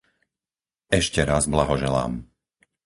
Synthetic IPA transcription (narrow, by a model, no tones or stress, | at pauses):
ɛʃcɛɾazblaɦɔʒɛla̰ːm